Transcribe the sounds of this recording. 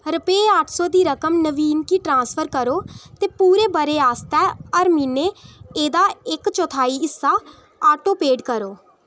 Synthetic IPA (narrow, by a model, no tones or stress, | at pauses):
ɾəpeeəʈʰsɔːd̪iːɾəkəmnəʋiːnkiːʈɾãːnspʰəɾkəɾoːt̪eːpuːɾeːbəɾeːaːst̪ɛːəɾmiːneːeːd̪aːɪkt͡ʃɔːt̪ʰaːiːɪsːaː | aːʈoːpeːɖkəɾoː